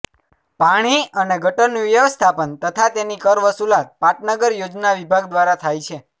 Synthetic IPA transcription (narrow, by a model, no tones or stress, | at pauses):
paɽ̃iəneɡʱəʈəniʋjəʋəst̪ʰapənt̪ət̪ʰat̪enikəɾʋəsulat̪̚paʈnəɡəɾjod͡ʒnaʋibʱaɡd̪ʋaɾat̪ʰajt͡ʃʰe